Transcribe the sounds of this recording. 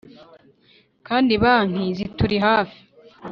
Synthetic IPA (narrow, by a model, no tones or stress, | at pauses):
kaːndiβaːn̥izituɾiɦaːfi̥